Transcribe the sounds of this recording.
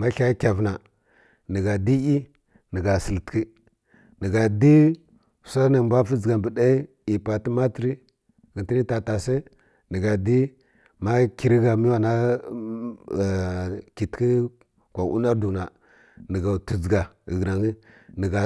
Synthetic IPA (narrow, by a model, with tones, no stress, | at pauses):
ma˦ɬa˦kʲa˨vna˨ | nə˨ɡa˨di˦i˦ | nə˨ɡa˨sə˨ltki˦ | nə˨ɡa˨di˦˨ | sa˦na˨mbʷa˦fi˦d͡zɡa˨bə˨da˦ | i˨pa˨ti˦ma˦ti˨ɾi˦ | ɣə˨ti˦ni˦ta˨ta˨se˦ | nə˨ɡa˨di˦ | ma˦ki˨ɾi˦ɡa˨mi˦wa˨na˦˨ | ki˨tki˦ | kʷa˨ʔṵ˦na˦ɾdu˨na˨ | nə˨ɡa˨tu˨d͡zɡa˨ə˨ɡna˨ŋi˦nə˨ɡa˨